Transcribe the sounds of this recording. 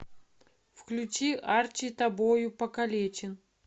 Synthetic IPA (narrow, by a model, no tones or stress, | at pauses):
fklʲut͡ɕiart͡ɕɪt̪ɐbojʊpɐkɐlʲet͡ɕɪn